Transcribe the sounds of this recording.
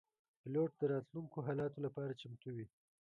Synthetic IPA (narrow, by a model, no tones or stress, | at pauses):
pɪloʈ̚d̪əɾɑt̪luŋkoɦɑlɑt̪olapɑɾat͡ʃamt̪awi